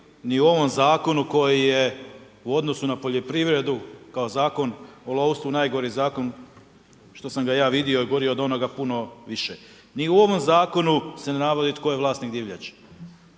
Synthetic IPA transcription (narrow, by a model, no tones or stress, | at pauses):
niuo̞ʋo̞mzaːko̞nuko̞jije | uo̞d̪no̞sunapoʎo̞pɾiʋɾe̞d̪ukao̞zaːko̞nolˠoust̪unajɡo̞ɾizaːko̞n | ʃt̪o̞samɡajaːʋid̪io̞iɡo̞ɾioːd̪ao̞noɡapuno̞ʋiʃe | niuo̞ʋo̞mzaːko̞nusenenaʋod̪it̪ko̞jeʋlˠaːst̪niɡd̪iʋʎa̰t͡ɕ